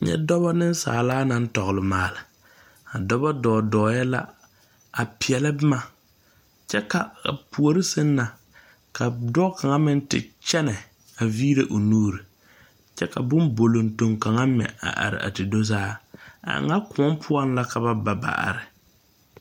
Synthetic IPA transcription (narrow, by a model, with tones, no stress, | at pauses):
ɲɛ̰˦dɔ˦βa˦nɪ˦n˦sa̰ː˨laː˦na˨n̩˦tɔ˨ɣʊ˨lɪ˨maː˨lɪ˨ | a˨dɔ˦ba˦dɔː˨dɔː˨jɛ˦la̰˦ | a˨pɪ˨ɛ˨la˦bɪ˦ma˨ | t͡ʃɛ˦ka˨pu˨o˨ɾɪ˦sɪ˦nː˦a˨ | ka˨dɔ˦kʰa˨ŋa˦mɪ˦n˦tɪ̰˨t͡ʃɛ˦nɛ˨ | a˨viː˦ɾe˦ʔo˨nuː˦ɾi˨ | t͡ʃɛ˦ka̰˨bʊ˦nbo˨lo˨nto˨ŋka˨ŋa˦mɛ̰˨a̰˨ʔa̰˨ɾɪ̰˨ʔa̰˨tɪ˨do˦zaː˦a̰˨ŋa˦kʊ˨˦ɔ˦mpʰʊ˦ɔ˦nla˦ka˨ba˦ba˨ba̰˨ʔa̰˨ɾɪ˨